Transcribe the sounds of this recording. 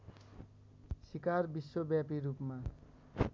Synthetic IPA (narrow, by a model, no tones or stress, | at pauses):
sikarbiswobjapiɾupma